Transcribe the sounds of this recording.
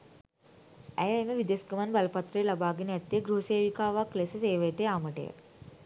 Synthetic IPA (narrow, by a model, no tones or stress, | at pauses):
ɛ̰jɐjmeʋid̪eskɐmanbɐlɐpɐt̪ɾeːlɐbaːɡinjɐt̪ːeɡɾuɦɐseːʋikaːʋaklesɐseːʋeʈeaːməʈḛjə̰